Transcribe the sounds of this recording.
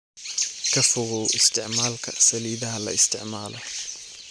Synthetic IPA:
kʰɐfʊɣɔwʔɪst̪ʰɪʕmaːlkʰɐsɐliːðɐɦɐlɐ̰ɪst̪ʰɪʕmaːlʔɔ

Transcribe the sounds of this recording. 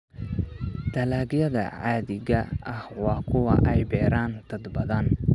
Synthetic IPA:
d̪̥ɐlaːɡjɐðɐ̰ʕaːðɪɣɐɐhwɑːkʰʊwɐ̰ʔɛjbɛːɾaːnt̪ʰɐd̪bɐðɐn

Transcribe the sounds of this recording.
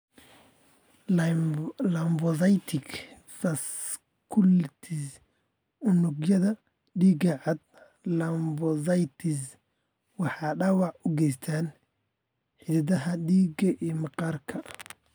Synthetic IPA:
lɐmbɔsɐjt̪ʰɪk | sɐs | kʰʊlt̪ʰɪs | ʊnʊɡjɐðɐ | ɖiːɡɐʕɑd̪̚ | lɐmbɔsɐjt̪ʰɪs | wɑħɑːɖɑːwɑʕʊɡɛjst̪ʰaːn | ħɪðɐðɐɦɐɗiːɡɐʔiːmɑqɑːrkʰɐ

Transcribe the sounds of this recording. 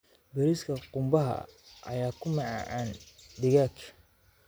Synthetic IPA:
bɛɾiskʰɐqʊmbɐɦɐ̰ʔɐ̰jaːkʰʊmɑʕɑ̰ːʕaːnɖɪɣaːkʰ

